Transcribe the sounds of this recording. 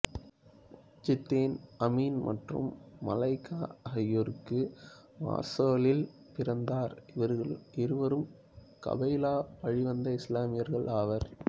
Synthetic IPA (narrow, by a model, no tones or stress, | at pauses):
t͡ʃɪt̪ːeːnɐmiːnmʔɐ̰ʈrɯ̰mːɐ̰lɐɪkːaːɐɦɐjoɾɯkːɯ | ʋa̰ːɾsoːlɪl | pɪɾɐnd̪aːɾ | ɪɾɯʋɐɾɯm | kɐ̰bɐɪlaːpɐɻɪʋɐnd̪ɐɪslaːmɪjɐɾɣɐɭʔaːʋɐɾ